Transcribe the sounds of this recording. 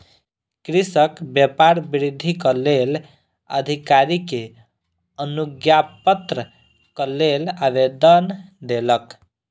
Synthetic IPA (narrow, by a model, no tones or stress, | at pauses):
kɾisəkbjəpaɾbiɾid̪ʱːikʌlel | ə̰d̪ʱikaɾike | ənuɡjapət̪ɾə | kʌlelabed̪ənd̪elək